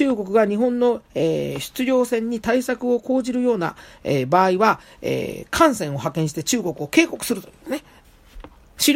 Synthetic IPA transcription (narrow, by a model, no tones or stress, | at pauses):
ɨːɡo̞kɯ̟ɡaɲ̟iɦõ̞nːo̞eːɕɨ̥t͡sɨɾʲo̞ːsẽ̞ɲ̟ːit̪aisakɯ̟o̞ko̞ːʑiɾɯ̟jo̞ːna̰ebaːiβaḛːkʰãɰ̃sẽ̞ɰ̃o̞ɦakẽ̞ɰ̃ɕ̬i̥t̪e̞t͡ɕɨːɡo̞kɯ̟o̞ke̞ːko̞kɯ̟sɨɾɯ̟t̪oine | ɕiɾ